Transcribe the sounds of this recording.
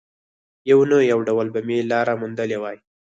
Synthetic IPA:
jawnəjawɖawəlbamelɑɾamʊnd̪əlewɑj

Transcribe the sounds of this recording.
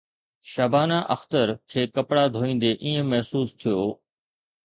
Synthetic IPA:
ʃabʱaːnaʔɐ̰xt̪əɾkʰeːkɐpɽad̪ʱoːĩːn̆d̪eʔiːə̃mɐɦsuːst̪ʰijoː

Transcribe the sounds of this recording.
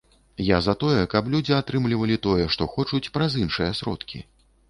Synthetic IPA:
jazɐt̪ɔjɛkɐplʲud͡zʲiat̪ɾɨmlʲivɐlʲit̪ɔjɛʂt̪ɔxɔt͡ʂut͡sʲpɾɐzinʂɨjɐsɾɔ̰t̪kʲḭ

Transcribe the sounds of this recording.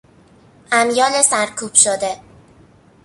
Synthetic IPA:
ʔæmjɒːnesæɾkʰuːb̥ʃod̪e̞

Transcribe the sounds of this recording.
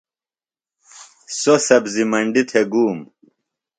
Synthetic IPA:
sosɐbzimɐɳɖit̪ʰeɡuːm

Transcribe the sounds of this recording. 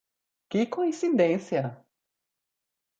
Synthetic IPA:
kɪkõĩsid̪ẽsjɐ

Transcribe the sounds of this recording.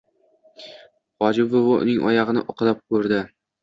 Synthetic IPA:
χɒd͡ʒɪbvʊvʊʔʊ̰nɪŋʔɒ̰jɑʁɨnɪ̰ʔɒqɨlap̚kʰɵɾd̪ɪ

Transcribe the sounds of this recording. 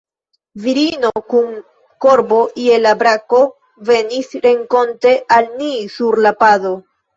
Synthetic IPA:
viɾino̞kun | ko̞ɾbo̞ʔie̞labɾako̞ | ve̞nisɾe̞ŋko̞nte̞ʔalnisuɾlapado̞

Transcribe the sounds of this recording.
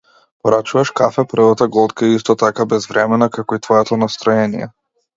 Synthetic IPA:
pɔɾat͡ʃuvaʃkafɛpr̩vat̪aɡɔt̪kaiist̪ɔt̪akabɛzvɾɛmɛnakakɔit̪vɔjɛt̪ɔnast̪ɾɔɛnijɛ̰

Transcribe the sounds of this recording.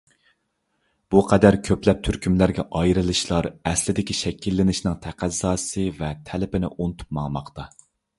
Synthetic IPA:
b̥uqʰɛd̪æɾkʲʰøplɛp̚t̪ʰyɾkʲymlæɾɡʲɛ̰ʔɑjɾɨlˠɨʃlˠɑɾɛslɪd̪ɪkʲiʃɛkʲʰːilːɪnɪʃnɪŋt̪ʰæqʰæzːɑːsɨvɛt̪ʰælɪpɪnɪ̰ʔunɨt̪ʰu̥p̚mɑŋmɑqt̪ɑ

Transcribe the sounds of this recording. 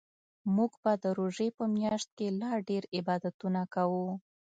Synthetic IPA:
muɡbad̪əɾoʒepəmjɑʃt̪̚kelɑɖeɾɪbɑd̪at̪unakawu

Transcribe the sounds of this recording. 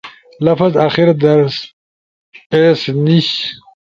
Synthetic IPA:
lɐfazaxiɾd̪ɐɾs | esniɕ

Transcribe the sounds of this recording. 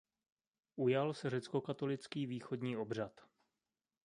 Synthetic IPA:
ʔujalsɛr̝ɛt͡sko̞kat̪o̞lɪt͡skiːviːxod̪ɲiːʔo̞br̝at̪

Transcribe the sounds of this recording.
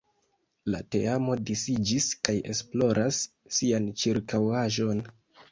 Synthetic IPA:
la̰te̞̰amo̞disid͡ʒiskaje̞̰splo̞ɾʔasː | iant͡ʃiɾkawaʒo̞n

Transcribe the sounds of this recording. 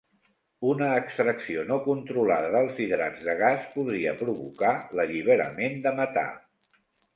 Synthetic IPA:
unəːkst̪ɾəksionokunt̪ɾulaðəðəlˠziðɾa̰d͡zðəɣ̞aspuðɾiəpɾuβukaləʎiβ̞əɾə̰mend̪əmət̪a̰

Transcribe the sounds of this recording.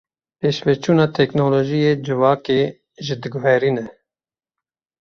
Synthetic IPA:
peːʃvɛt͡ʃʰuːnɑːt̪ʰɛknoːloːʒijeːd͡ʒɨvɑːkeː | ʒɨd̪ɨɡʊɦɛɾinɛ

